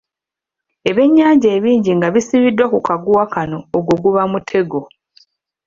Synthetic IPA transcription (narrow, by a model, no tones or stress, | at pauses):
e̞βe̞ɲːaːɲɟaːβiːɲɟiŋɡaβisiβidwakukaɡuwakano̞ːɡoɡuβamutʰe̞ɡo̞